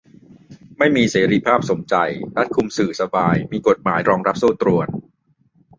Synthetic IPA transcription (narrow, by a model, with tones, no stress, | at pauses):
ma˥˩jmiː˧seː˩˦ɾiː˦˧pʰaː˥˩p̚so˩˦mt͡ɕa˧jɾa˦˥t̪̚kʰu˧msɯː˨˩sa˧baː˧jmiː˧ko˨˩t̪̚maː˩˦jɾɔː˧ŋɾa˦˥p̚suː˥˩t̪ɾu˧ən